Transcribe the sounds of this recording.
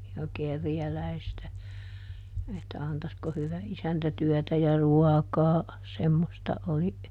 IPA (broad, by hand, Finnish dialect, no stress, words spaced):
jɑ kerjælæistæ etːæ ɑntɑsko hyʋæ isæntæ tyœˑtæ jɑ ruɑkɑː semːostɑ oli